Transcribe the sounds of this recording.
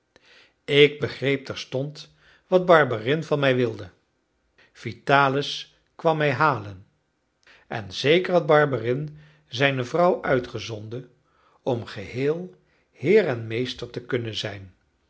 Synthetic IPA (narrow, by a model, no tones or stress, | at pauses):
ɪɡ̚bəχrejp̚tɛɹstɔnt | ʋɑd̚bɑɹbarɪnvɑnmɛjʋɪlˠdə | v̥itaːləs | kʋɑmːɛjɦaːlən | ɛ̰nz̥ejkəɹɦɑd̚bɑɹbarɪn | zɛjnəvrʌwʔœɥtχəzɔndə | ɔmχəhɪːlˠ | hɪːrɛnmejstəɹtəkɵnənzɛjn